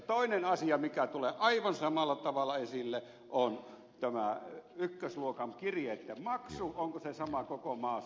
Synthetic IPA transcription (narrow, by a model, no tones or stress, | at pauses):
t̪oˑinenɑsiɑmikæt̪uleʔɑiʋɑnsɑmɑlːˑɑt̪ɑʋɑlːˑɑesilːe | ʔon | t̪æmæ̰ykːøsluokɑŋkirjeet̪ːæmɑksuʔoŋkosesɑmɑkokomɑː